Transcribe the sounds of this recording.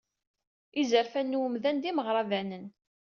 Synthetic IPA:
izəɾfænːwəmðænd̪iməʁɾˤɑvænən

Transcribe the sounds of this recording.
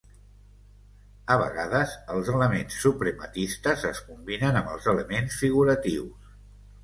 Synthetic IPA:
əβə̰ɣaðəzəlˠzələmensːupɾəmət̪ist̪əzəskumbinənəmbəlˠzələmensfiɣuɾət̪iws

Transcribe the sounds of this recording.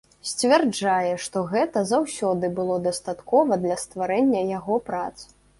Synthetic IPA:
sʲt͡sʲvʲɛrd͡ʐajɛʂt̪ɔɣɛt̪ɐzawsʲɔd̪ɨbɨlˠɔd̪ɐst̪at̪kɔvɐd̪lʲɐst̪vaɾɛnʲːɐjaɣɔpɾat̪s

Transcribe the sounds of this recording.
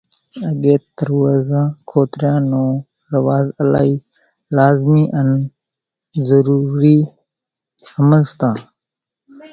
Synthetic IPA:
əɡeːt̪əɾwaːzãːkʰoːt̪ɾjãːnõː | ɾəʋaːzəla̰ːiː | laːzmiːʔən | zəɾuːɾiː | həməlst̪ãː

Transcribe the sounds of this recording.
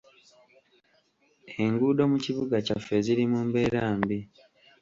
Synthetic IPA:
e̞ŋɡuːdo̞muciβuɡacafːe̞ziɾimumbe̞ɾaːmbi

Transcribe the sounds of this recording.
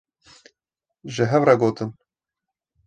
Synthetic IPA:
ʒɨɦɛvrɑɡoːt̪ɨn

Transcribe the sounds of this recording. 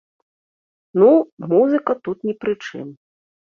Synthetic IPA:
numuzɨkɐt̪ut̪nʲipɾɨt͡ʂɨ̰m

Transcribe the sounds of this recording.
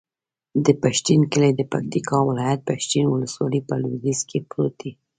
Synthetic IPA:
d̪əpaʃt̪inkəled̪əpak̚t̪ikʰɑwɪlɑjat̪̚paʃt̪inwʊləswɑlipəlwd̪iskʰepɾot̪i

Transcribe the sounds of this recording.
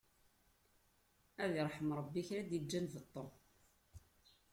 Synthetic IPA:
æðiɾˤħəmɾˤəbːiçɾæd̪jid͡ʒːænvət̪ˤːo

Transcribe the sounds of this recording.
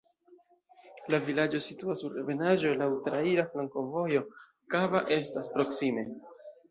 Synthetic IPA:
lavilad͡ʒo̞situasuɾeve̞naʒo̞lautɾaiɾaflaŋko̞vo̞jo̞ | kabaʔe̞staspɾo̞ksime̞

